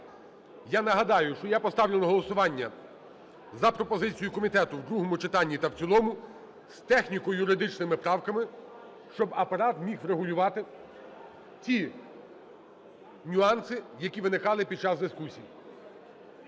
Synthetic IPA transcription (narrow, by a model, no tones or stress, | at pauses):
janɐɦɐd̪ɑjʊʃt͡ʃɔjapɔst̪ɑwlʲenɔɦɔlˠɔsʊʋɑnʲːɐ | zɐpɾɔpɔzɪt͡sʲijʊkɔmʲit̪ɛt̪ʊwd̪ɾuɦɔmʊt͡ʃɪt̪ɑnʲːit̪ɐwt͡sʲilˠɔmʊ | st̪ɛxnʲikɔjʊɾɪd̪ɪt͡ʃnɪmɪpɾɑwkɐmɪ | ʃt͡ʃɔbɐpɐɾɑt̪mʲixɾeɦʊlʲʊʋɑt̪ɪ | t͡sʲi | nʲʊɑnsɪjɐkʲiʋɪnɪkɑlˠɪpʲid̪̚t͡ʃɑzd̪ɪskusʲiji